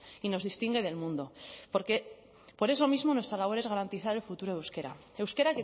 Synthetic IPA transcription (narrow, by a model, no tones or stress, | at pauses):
ino̞zðist̪iŋɡe̞ð̞e̞lmũnd̪o̞po̞ɾke̞ | po̞ɾe̞so̞mizmo̞nwe̞st̪ɾalaβo̞ɾe̞zɣaɾant̪iθaɾe̞lfut̪uɾoewske̞ɾa̰ | ewske̞ɾake